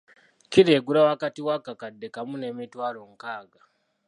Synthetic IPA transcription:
kiɾeɡuɾawakatiwakakadekamunemitwaɾoŋ̩kaːɡa

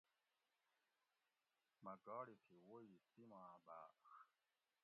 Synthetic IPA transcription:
mɐɡɑːɽit̪ʰiwojisimãːba̰ːx

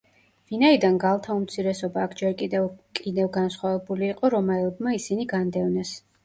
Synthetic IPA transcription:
vinaid̪anɡalˠt̪ʰaumt̪sʰiɾɛsɔbaːkʰd͡ʒɛɾkʼid̪kʼid̪ɛvɡansχwavɛbuliːqʼɔɾɔmaɛlˠbmaisiniɡand̪ɛvnɛs

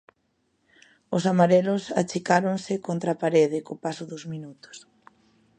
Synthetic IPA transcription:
ʊsamaɾelʊsa̰t͡ʃikaɾoŋsɪkont̪ɾapaɾeð̞ɪkopasʊðʊzminut̪ʊ̥s

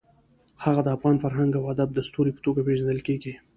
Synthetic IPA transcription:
haɣad̪əafɣɑnfaɾɦaŋɡawad̪ab̚d̪əst̪uɾipə̥t̪oɡapeʒand̪əlkeɡi

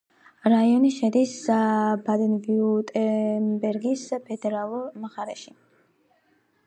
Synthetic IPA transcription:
ɾaiɔniʃɛd̪isbad̪ɛnviut̪ʼɛnbɛɾɡispʰɛd̪ɛɾalˠɔɾmaχaɾɛʃi

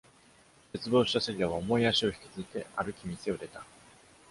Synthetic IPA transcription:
se̞t͡sɨbo̞ːɕi̥t̪aseɾʲiaβaomo̞iaɕio̞çi̥kʲi̥t͡sɨzit̪e̞aɾɯ̟kʲimʲise̞oɾe̞t̪a

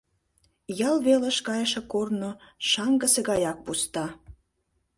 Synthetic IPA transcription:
jɑlβelə̆ʃkɑjəʃĕkornoʃɑŋɡə̆seɣɑjɑk̚pust̪ɑ

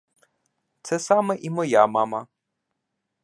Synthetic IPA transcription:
t̪sɛsɑmɛʔimɔjamɑmɐ

